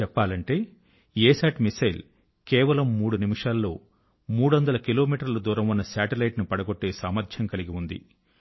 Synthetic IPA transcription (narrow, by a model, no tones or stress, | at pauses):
ɛpːaːlɐɳʈe̞ː | eːsaːʈmisɐjl | kɛːʋɐlɐmːuːɽunimiʂaːlːo̞ː | muːɽuʋɐnd̪ɐlɐkilo̞ːmiːʈɐɾlɐd̪uːɾɐmunːɐsaːʈɐlɐjʈnupɐɽɐɡoʈːe̞ːsaːmɐɾd̪ʰjɐŋkɐliɡiund̪ḭ